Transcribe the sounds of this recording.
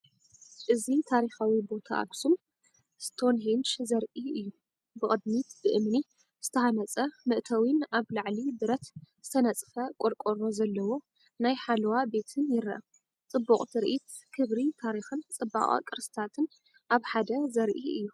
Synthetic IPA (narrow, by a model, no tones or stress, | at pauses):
ʔɨzit̪ʰaɾixawibo̞t̪ʰa̰ʔa̰bsum | st̪ʰo̞nɦent͡ʃzɐɾʔiɨjːu | bɨkʼɨd̪mit̪b̥ɨʔɨmni | z̥ɨ̥t̪ʰɐhanɐt͡sʼɐmɨʔt̪ʰɐwinaβlaʕlid̪ɨɾɐt̪z̥ɨt̪ʰɐnɐt͡sʼfɐkʼoɾkʼoɾo̞zɐlːɐwo̞ | najħalwabe̞t̪ʰɨnjɪɾɐ̰ʔɐ | t͡sʼɨbːuχʼt̪ʰɨɾʔit̪ | kʰɨβɾit̪ʰaɾixɨnt͡sʼɨbːa̰χʼa̰kʼɨɾsɨ̥t̪ʰat̪ʰɨn | ʔaβħad̪ɐzɐɾʔiɨjːu